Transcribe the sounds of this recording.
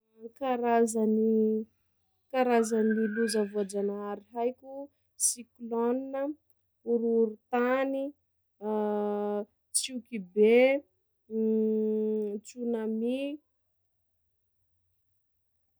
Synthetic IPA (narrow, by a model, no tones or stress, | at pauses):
kaɾazani | kaɾazanliluzəvuad͡ʒanaaɾiɦajkʲu | sikloninə | uɾuɾut̪ani | t͡sukibe | t͡sunami